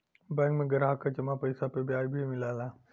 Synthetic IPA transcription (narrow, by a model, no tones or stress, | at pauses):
bɛ̃ːŋkmẽɡɐɾɦakad͡ʒɐmapɐɪsapebjaːjbʱimɪlaːlaː